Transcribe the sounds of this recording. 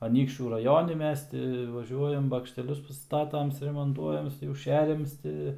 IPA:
ɐˈnʲiːkʃʲt͡ʃʲuː rɐˈjoːnʲɪ ˈmʲɛs tʲɪ ʋɐˈʒʲuɔjɛm bɐkʃʲtʲɛˈlʲʊs pɐˈstɑːtɐm sʊrʲɛmoːnˈtuɔjɛm jɛʊ ˈʃʲæːrʲɛms ˈtʲɪ

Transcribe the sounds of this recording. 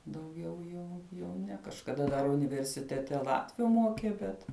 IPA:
dɐʊˈɡʲɛʊ ˈjuː jɛʊ ˈnʲɛ kɐʃkɐˈdɐ dɐr ʊnʲɪʋʲɛrʲsʲɪtʲɛˈtʲɛ ˈlˠɑːtʲʋʲʊ ˈmoːkʲeː ˈbʲɛt

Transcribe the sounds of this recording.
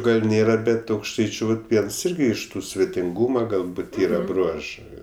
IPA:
ˈɡɐlʲ ˈnʲeːrɐ ˈbʲɛt ɐʊkʃˈtɐɪt͡ʃʲʊ ʋɐt ˈʋʲiɛns ˈɪrʲɡʲɪ ɪʃ ˈtuː sʲʋʲɛtʲɪŋˈɡuːmɐ ɡɐlˠˈbuːt ˈiːrɐ ˈbruɔʒɜ

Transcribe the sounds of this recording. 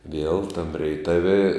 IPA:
ʋʲiɛlˠ tɐm rʲɛɪˈtɑːʋʲɪ

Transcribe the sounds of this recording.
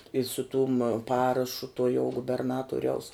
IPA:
ɪ sʊ tʊm ˈpɑːrɐʃʊ tuɔ jɛʊ ɡʊbʲɛrˈnɑːtuɔrʲɛʊs

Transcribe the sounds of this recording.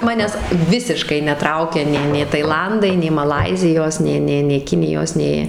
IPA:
ˈmɑːnʲæːs ˈʋʲɪsʲɪʃkɐɪ nʲɛˈtrɐʊkʲɛ nʲɛɪ nʲeː tɐɪˈlˠɐndɐɪ nʲɛɪ mɐˈlˠɐɪzʲɪjoːs ˈnʲeː ˈnʲeː nʲeː ˈkʲɪnʲɪjoːs ˈnʲeː

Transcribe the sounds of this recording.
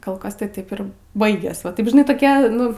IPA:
koːlˠ ˈkɐs tɐɪ ˈtɐɪp ɪr ˈbɐɪɡʲeːs ʋɐ ˈtɐɪp ʒʲɪˈnɐɪ toːˈkʲɛ ˈnʊ

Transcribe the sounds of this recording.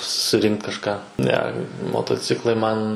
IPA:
sʊˈrʲɪŋkt kɐʃˈkɑː ˈnʲɛ moːtoːˈt͡sʲɪklˠɐɪ ˈmɐn

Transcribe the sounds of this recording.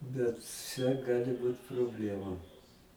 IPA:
bʲɛt ˈt͡ʃʲɛ ˈɡɑːlʲɪ ˈbuːt proːbʲˈlʲæːmʊ

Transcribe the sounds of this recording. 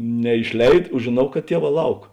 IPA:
nʲɛɪʃʲˈlʲɛɪt oː ʒʲeːˈnɐʊ kɐt ˈtʲiɛˌʋɑː ˈlˠɐʊk

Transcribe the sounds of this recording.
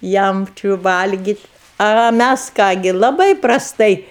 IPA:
ˈjɛm ˈt͡ʃʲʊ ˈʋɐlʲɡʲiːtʲ ɐ ɐ ˈmʲæs ˈkɑː ɡʲɪ lˠɐˈbɐɪ prɐsˈtɐɪ

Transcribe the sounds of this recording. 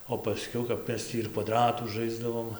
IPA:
oː pɐˈsʲkʲɛʊ kɐp ˈmʲɛs tʲiː ɪr kʋɐˈdrɑːtuː ˈʒɐɪzdɐʋoːm

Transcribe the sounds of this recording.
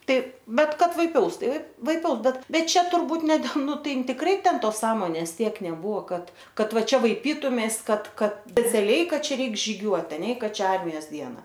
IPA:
ˈtɐɪ ˈbʲɛt ˈkɐt ʋɐɪˈpʲɛʊs ˈtɐɪ ʋɐɪˈpʲɛʊs ˈbʲɛt ˈbʲɛt ˈt͡ʃʲɛ tʊrˈbuːt nʲɛ dʲɛlˠ ˈnʊ ˈtɐɪ ɪn tʲɪkˈrɐɪ ˈtʲɛn ˈtoːs ˈsɑːmoːnʲeːs ˈtʲiɛk nʲɛˈbuːʋoː ˈkɐt ˈkɐt ˈʋɐ ˈt͡ʃʲɛ ʋɐɪˈpʲiːtʊmʲɛɪs ˈkɐt ˈkɐt sʲpʲɛt͡sʲɛˈlʲɛɪ ˈkɐt ˈt͡ʃʲɛ ˈrʲɛɪk ʒʲiːˈɡʲuɔt ɐˈnʲɛ ɪ ˈkɐ ˈt͡ʃʲɛ ˈɐrʲmʲɪjoːs ˈdʲiɛnɐ

